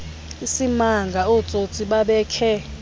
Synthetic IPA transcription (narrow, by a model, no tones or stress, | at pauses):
isimaŋɡʱaɔt͡sʼot͡sʼiɓaɓɛːkʰɛ